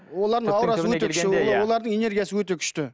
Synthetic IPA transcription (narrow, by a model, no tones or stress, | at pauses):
wo̞lˠɑɾd̪əɴɑwɾɑsəwɵt̪eʏʃt̪ɪowo̞lˠɑɾd̪əŋe̞ne̞ɾɡʲijasəwɵt̪e̞kʲʰʏ̥ʃt̪ɪ